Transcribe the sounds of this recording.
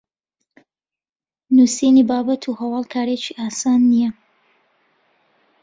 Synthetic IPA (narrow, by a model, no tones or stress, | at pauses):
nuːsinibaːbɐt̪ʰuhɐwɑːlˠkʰaːɾet͡ʃiʔaːsaːnːijɛ